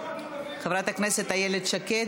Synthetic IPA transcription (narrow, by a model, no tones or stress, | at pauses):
χevɾat̪hakneset̪ajeled̪ʃake